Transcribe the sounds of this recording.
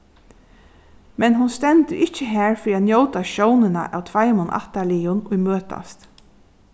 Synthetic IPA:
mɛnɦʊnst̪ɛnt̪ɪɾʔɪht͡ʃəɦæːɹfɾiːat̪njowt̪aʃownɪna̰ʔa̰wt̪ʰvajmʊnʔa̰ht̪alijʊnʊjmøːt̪a̰st̪

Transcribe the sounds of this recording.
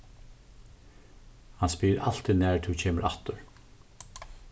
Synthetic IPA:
hanspiːɾal̥t̪iðnɛːɹt̪ʰucʰeːməɾʔa̰ht̪ʊɹ

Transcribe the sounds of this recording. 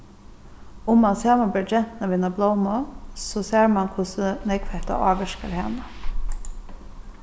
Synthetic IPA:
ʊmːansaːmabɛːɹd͡ʒɛn̥t̪naʋiːnablˠowmɔsɔseːɹmankʰʊsənɛkfɛht̪a̰ʔɑ̰ːʋɪʃka̰ɾha̰ːna

